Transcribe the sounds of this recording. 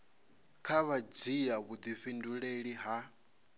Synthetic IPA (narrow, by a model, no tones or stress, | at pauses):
kʰaβad͡zijaβud̪iɸinduɺeɺiɦa